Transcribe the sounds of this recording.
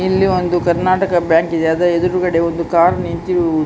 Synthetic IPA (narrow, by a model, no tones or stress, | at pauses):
ilːiond̪ukɐɾnaːʈɐkɐbjaːŋkid̪eɐd̪ɐed̪uɾukɐɽe̞ond̪ukaːɾnint̪i